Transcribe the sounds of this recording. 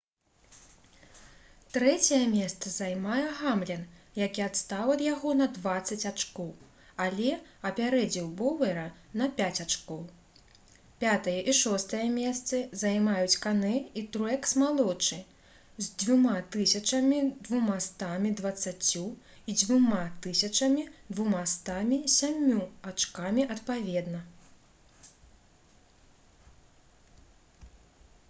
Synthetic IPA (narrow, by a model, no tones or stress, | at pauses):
t̪ɾɛt͡sʲɐjɐmʲɛst̪sɐzajmajɛɣamlʲɛnjakʲiat̪st̪avɐd̪jaɣɔnɐd̪vat̪sːɐt͡sʲat͡ʂkɔw | alʲɛɐpʲaɾɛd͡zʲiwbɔvɛɾɐnɐpʲat͡sʲat͡ʂkɔw | pʲat̪ɐjɐʔiʂɔst̪ɐjɐmʲɛst̪sɨzajmajut͡sʲkanɛit̪ɾɛksmalˠɔt͡ʂɨ | zʲd͡zʲvumat̪ɨsʲɐt͡ʂɐmʲid̪vumast̪amʲid̪vɐt̪sːat͡sʲu | id͡zʲvumat̪ɨsʲɐt͡ʂɐmʲid̪vumast̪amʲisʲamʲːuat͡ʂkamʲiʔɐt̪pavʲɛd̪nɐ